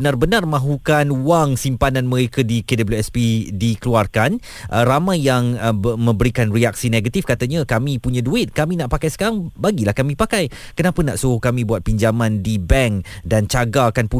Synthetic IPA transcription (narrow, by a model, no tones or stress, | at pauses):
ənarbənarmãɦukanwaŋsimpanãnmə̃ɾekadikedabljuɛspidikəluarkan | ʔəɾamãjːaŋmə̃mbəɾikanriak̚sineɡat̪ifkat̪aɲakamĩpuɲãduɪt̪̚kamĩnaʔpakajsə̥kaɾaŋbaɡilahkamĩpakaj | kənapənaʔsuɦʊhkamĩbuat̪̚piɲd͡ʒamãndibɛŋdant͡ʃaɡaːkanpu